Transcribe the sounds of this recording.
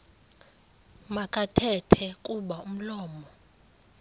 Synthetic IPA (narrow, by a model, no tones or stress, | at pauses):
makʼatʰɛtʰɛkʼuɓaum̩lɔːmɔ